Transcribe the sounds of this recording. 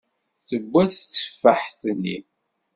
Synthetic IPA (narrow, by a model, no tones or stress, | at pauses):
θəɡʷːæθt͡sːə̥fːəħθənːḭ